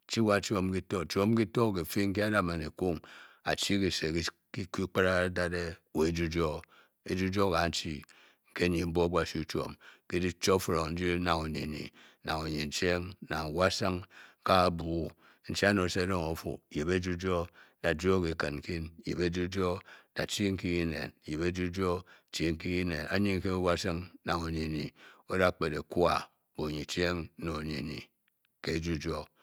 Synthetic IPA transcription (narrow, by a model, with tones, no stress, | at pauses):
t͡ʃi˦wa˦˨t͡ʃo˦mki˦to˦˨t͡ʃo˦m˦ki˦to˦˨ke˨fi˦ŋ̩˦ki˦a˦da˦˨ma˨ne˨ku˦ŋa̰˨t͡ʃi˦ki˨se˨k | ki˦ki˦k͡pa˦ɾa˦da˦de˦we˨e˨˦d͡ʒu˦d͡ʒo˦ | e˨d͡ʒu˦d͡ʒo˦ka˨n̩˦t͡ʃi˦ | ŋ̩˦ke˦ɲi˨m̩˦bo˦ba˦˨si˦u˦t͡ʃo̰˨mke˦di˦t͡ʃo˦fɾo˨ŋn̩˦d͡ʒi˦na˨ŋo˨nḛ˨nḭ˨˦ | na˨ŋo˨ɲe˨n̩˨t͡ʃe˦ŋna˨wa˦sa˦ŋka˦˨bu˨˦ | n̩˦t͡ʃa˦no˨se˦do˦ŋo˨˦fṵ˨je˨be˦d͡ʒu˦d͡ʒo˦da˨d͡ʒo˦ki˨kɨ̰˨n˨ki˦njḛ˨be˦d͡ʒu˦d͡ʒo˦da˨t͡ʃi˦ŋ̩˦ki˦ɣi˦nḛ˨n˨je˨be˦d͡ʒu˦d͡ʒo˦˨t͡ʃi˦ŋ̩˦ki˦ɣi˦ne˨na̰˨˦ɲi˦ŋ˦ke˦o˦wa˦sa˦ŋna˨ŋo˨ni˨nḭ˨o˦da˦˨k͡pe˨de˨kwa̰˨ | bo˨ɲi˨t͡ʃe˦ŋ̩˦no˨ɲḭ˨nḭ˨ | ke˦d͡ʒu˦d͡ʒo˦